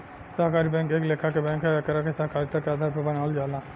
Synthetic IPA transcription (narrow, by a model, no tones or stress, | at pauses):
sɐɦkaːɾibɛ̃ːŋkeːkleːkʰakebɛ̃ːŋkkɐɾakesaɦkaːɾit̪akeaːd̪ʱaːɾpɐɾbɐnaːld͡ʒaːlãː